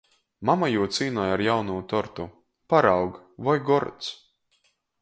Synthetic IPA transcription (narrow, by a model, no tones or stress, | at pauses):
mamajuɔt̪siːnɔjaɾjawnuːt̪ɔɾt̪u | paɾawɡvajɡɔɾt̪s